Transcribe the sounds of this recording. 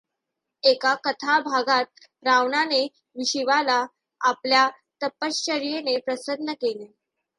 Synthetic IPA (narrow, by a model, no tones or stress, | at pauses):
ekakət̪ʰabʱaɡat̪̚ | ɾaʋɳane | ʋiɕiʋalaː | plja | t̪əpːəst͡ɕəɾijenepɾəsəd̪nəkele